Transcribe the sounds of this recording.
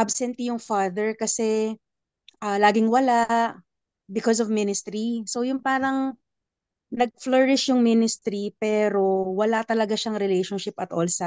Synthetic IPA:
ʔabsɛnt̪ijʊŋfad̪ɛɹkɐsɛ | ʔalaːɡɪŋwɐlaʔ | bɪkɔs̬ɔvmɪnɪst̪ɾiso̞jʊnpaːɾɐŋ | nɐɡ̚flɔɹɪʃjʊŋmɪnɪst̪ɾipɛːɾo̞wɐlat̪ɐlɐɡaʃɐŋɾɪlejʃɔnʃɪpɐt̪ʔolsɐ

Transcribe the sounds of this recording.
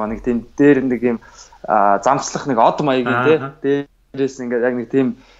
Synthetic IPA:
anɪk̚t̪ʰiːmt̪eːɾnikiːm | t͡sam̥sɮə̆χnĭkɔt̪majə̆ɡiːnt̪ʰeːt̪eː | ɾeːs̆ŋiŋɡeːt̪jakniɪk̚t̪ʰiːm

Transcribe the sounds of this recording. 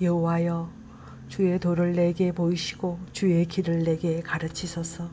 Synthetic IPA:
jʌɦowajʌ | t͡ɕue̞toɾɯɭːe̞ɡe̞poiɕʰi̥ɡot͡ɕue̞kiɾɯɭːe̞ɡe̞kaɾɯt͡ɕʰisʰʌsʰʌ

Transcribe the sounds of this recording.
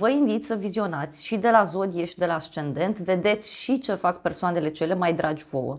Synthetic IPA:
vəinvit̪ʲsəvizio̞nat̪sʲʃid̪e̞lazo̞d̪ijeʃid̪e̞laːʃt͡ʃe̞nd̪e̞nt̪ve̞d̪e̞t̪sʲʃit͡ʃe̞fakpe̞rsoane̞le̞t͡ʃe̞le̞majd̪ɾʔad͡ʒʲvo̞̰wə̰

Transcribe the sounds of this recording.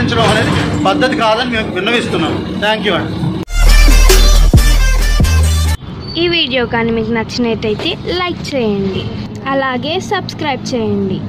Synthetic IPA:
iɲt͡ʃɐɽɐmɐne̞ːd̪ibɐd̪ːɐt̪ikaːd̪ɐnimeːʋinːɐʋiːst̪unːaːmut̪ʰaːŋkjuːɐɳ | iːʋiːɽijo̞ːkaːnɐmiknɐt͡ʃːineːʈɐjt̪e̞ːlɐjk̚t͡ʃɛːjɐɳɖi | ɐlaːɡe̞ːsɐbskɾɐjb̚t͡ʃɛːjɐɳɖi

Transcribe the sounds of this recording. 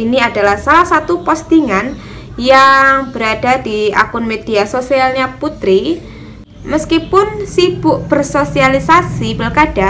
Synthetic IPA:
iniadalahsalahsat̪upɔst̪iŋan | jaŋb̥əɾad̥adia̰kʊnmed̥iasosialɲaput̪ɾi | məskipʊnsib̥ʊʔb̥ərsosialisasibəlkad̥a

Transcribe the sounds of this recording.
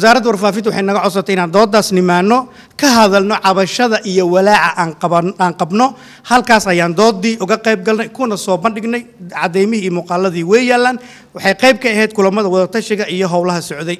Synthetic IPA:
wɛs̬aːɾɐd̪wɑrfaːfɪnt̪wɑħɑjnɐɣɐʕɔs̬ɐt̪ʰɛɪnaːnd̪ɔːd̪ːaːsnɪmaːnːɔ | kʰɐɦɐðɐlnɔʕɑβɐʃɐðɐʔijɔwɐlaːʕɐʔaːaːŋqɑbnɔ | hɐlkʰaːsɐjaːnd̪ɔːd̪iːʔʊɣɐqɛjb̚ɡɐlnɛjkʰʊnɐsɔːbɐnɖɪɡnɛjʕɑ̰d̪ɛjmɪhiːmuːqɑːlːɐðiːwɛjaːlːaːn | wɑħɑjqɛjb̚kʰɐːɦɛjd̪̚kʰʊlɐmɐðɐwɑðɐt̪ʰɐʃɪɣɐʔijɔɦɔwlɐɦɐsɔʕd̪ɛj

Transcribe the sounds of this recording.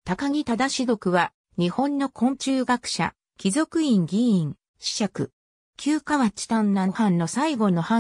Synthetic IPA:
t̪akaŋ̟ʲit̪ad̪aɕido̞kɯ̟βa | ɲ̟ihõ̞nːo̞kʰõ̞ɲ̟t͡ɕɨːɡakɯ̟̥ɕa̰ | kʲizo̞kɯ̟ĩŋɡʲiĩŋ | ɕi̥ɕakɯ̟ | kʲɨːkaβat͡ɕi̥t̪ãnːahãnːo̞saiɡo̞no̞hã

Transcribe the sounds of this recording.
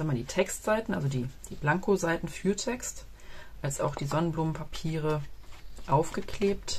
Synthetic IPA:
amandiːtʰɛkstz̥aɪtn̩ʔa̰lzodiːd̥iːblaŋkozaɪtn̩fyːɐtʰɛkst | ʔalsʔa̰ʊxd̥iːzɔnənbluːmənpʰapʰiːʁə | ʔaʊfɡ̥əkʰleːp̚t

